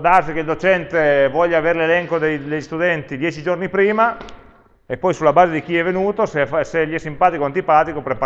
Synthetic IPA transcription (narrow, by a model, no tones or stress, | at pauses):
d̪arsikeild̪ot͡ʃɛnt̪evwɔʎːaveːɾelelɛŋkod̪ejd̪eʎːist̪ud̪ɛnt̪id̪jɛːt͡ʃid͡ʒornipɾiːma | epːɔjsulːabaːzed̪ik̟iɛvːenuːt̪osfaseʎːɛsːimpaːt̪ikoant̪ipaːt̪ikopɾep